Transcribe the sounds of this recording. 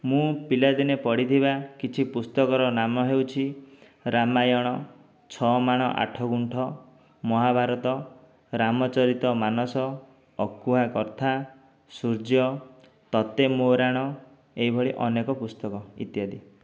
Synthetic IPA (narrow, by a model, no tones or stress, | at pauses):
mũpilad̪inepɔɽit̪ʰibakit͡ʃʰipust̪ɔkɔɾɔnamɔɦewt͡ʃʰi | ɾamajɔɽ̃ɔ | t͡ʃʰɔmaɽ̃ɔʔa̰ʈʰɔɡuɳʈʰɔ | mɔɦabʱaɾɔt̪ɔ | ɾamɔt͡ʃɔɾit̪ɔmanɔsɔː | kuɦakɔɾt̪ʰa | suɾd͡ʒjɔ | t̪ɔt̪emoɾaɽ̃ɔ | eibʱɔɭiʔɔnekɔpust̪ɔkɔḭt̪jad̪i